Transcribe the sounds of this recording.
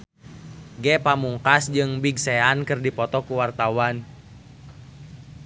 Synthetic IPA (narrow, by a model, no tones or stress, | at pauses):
ɡɛpamuŋkasd͡ʒɨŋbiɡsɛankɨrdipɔt̪ɔkuwart̪awan